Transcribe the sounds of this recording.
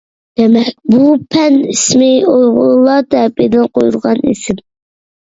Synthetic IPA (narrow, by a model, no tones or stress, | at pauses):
d̪̥emɛk̚ʲbupʰɛnismɪojʁʊlˠɑt̪ɛped̪ɪnqʰojuɾʁɑnḭsɪm